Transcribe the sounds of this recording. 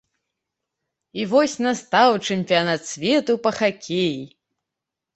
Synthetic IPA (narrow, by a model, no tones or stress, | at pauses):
ivɔsʲnast̪awt͡ʂɨmʲpʲijanat̪sʲvʲɛt̪upɐxakʲeji